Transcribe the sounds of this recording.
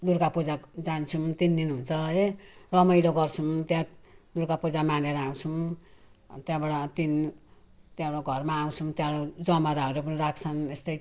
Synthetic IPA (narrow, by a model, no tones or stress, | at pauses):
d̪urkapod͡zad͡zant͡sʰut̪ind̪inɦunt͡sʰʌerʌmʌjlʌɡʌrt͡sʰumt̪jãd̪urkapod͡zamaneɾʌaw̃t͡sʰu | t̪jãbaɽat̪in | t̪jãɽaɡʱʌrmaːw̃t͡sʰumt̪jãlad͡zʌmaɾaɦʌɾep̬ʌniɾakʰt͡sʰʌnest̪ʌj